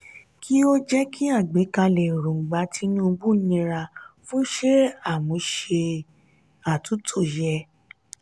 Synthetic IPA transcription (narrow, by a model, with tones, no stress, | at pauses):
kʰi˦o˦d͡ʒɛ˦kʰi˦a˦˨ɡ͡be˨˦ka˧lɛ˨ɾõ˨ɡ͡ba˨˦tʰi˧nũ˦˧bu˦nĩ˧ɾa˧fũ˦ʃe˦a˦˨mũ˨˦ʃe˧ | a˨tu˨˦tʰo˦˨jɛ˧